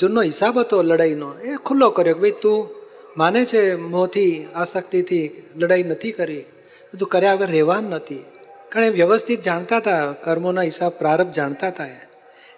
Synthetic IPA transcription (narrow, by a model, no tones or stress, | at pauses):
d͡ʒonːoɦɪsabʱɦət̪oləɽainoekʰʊlːokəɾjokebəit̪ũ | manet͡ʃʰemõt̪ʰiasəkt̪it̪ʰiləɽainət̪ʰikəɾi | ot̪̬ũkəɾjaəɡəɾːɛʋanːət̪ʰi | kaɳ̃eʋjəʋəst̪ʰit̪̚d͡ʒaɳ̃t̪at̪ʰakəɾmonaɦɪsab̚pɾaɾəbp̚d͡ʒaɳt̪at̪ʰae